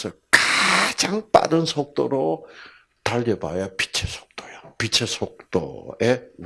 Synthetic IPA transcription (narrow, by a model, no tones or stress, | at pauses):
sʰʌkad͡ʑaŋp͈a̰ɾɯnsʰok̚t͈oɾo | t̪aʎːeba̰japi̥t͡ɕʰesʰo̥k̚t̪͈ojapit͡ɕʰesʰok̚t͈o̰e